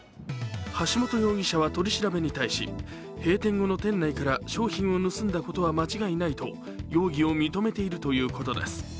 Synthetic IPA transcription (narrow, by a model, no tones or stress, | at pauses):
haɕimo̞t̪o̞jo̞ːɡʲiɕaβat̪o̞ɾʲiɕiɾabe̞ɲ̟it̪aiɕḭ | he̞ːt̪ẽ̞ŋɡo̞no̞t̪ẽ̞nːaikaɾaɕo̞ːçĩɰ̃o̞nɯ̟sɨ̃nd̪ako̞t̪o̞βamat͡ɕiɡainait̪o̞ | jo̞ːɡʲio̞mʲit̪o̞me̞t̪e̞iɾɯ̟t̪o̞jɯ̟ːko̞t̪o̞d̪e̞̰sɨ̥